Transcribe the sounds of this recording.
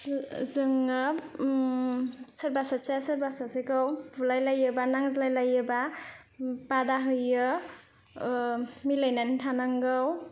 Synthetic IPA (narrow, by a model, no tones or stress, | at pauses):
zɯŋɯ | sɯɾbasasasɯɾbasasekawbulajlajɯbanaŋzlajlajɯba | badaɦɯjɯ | milajnanitʰanaŋɡaw